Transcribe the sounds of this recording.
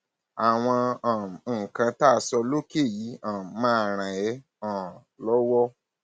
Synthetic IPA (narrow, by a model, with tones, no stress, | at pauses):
a˨w̃ɔ̃˧ã˨ŋ̩˨kã˧ta˦˧sɔ˧lo˦ke˦˨ji˨˦ã˨˦mã˦˨ɾ̃ã˨ɛ˨˦ | ã˨ | lɔ˦wɔ˦